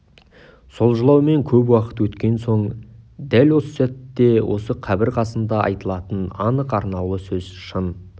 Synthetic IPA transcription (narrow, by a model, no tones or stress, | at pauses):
so̞lˠʒəlˠɑwme̞ŋkʲʰɵpwɑqə̥t̪wɵt̪kʲe̞nso̞ɴd̪ælwo̞səsæt̪ːe̞wʔo̞̰səqʰɑbɪɾqʰɑsənd̪ɑʔɑ̰jt̪əlˠɑt̪ənɑnəqɑɾnɑəsɵz̥ʃən